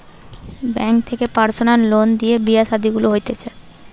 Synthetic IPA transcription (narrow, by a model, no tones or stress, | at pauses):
bɛŋk̚t̪ʰekepaɾsonaɾlond̪iebiasad̪iɡuloɦojt̪et͡ɕʰe